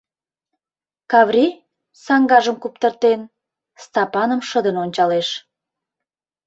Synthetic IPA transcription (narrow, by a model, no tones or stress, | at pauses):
kɑvrʲi | sɑŋɡɑʒəmkup̚t̪ərt̪en | st̪ɑpɑnəmʃəd̪ənonʲt͡ɕɑleʃ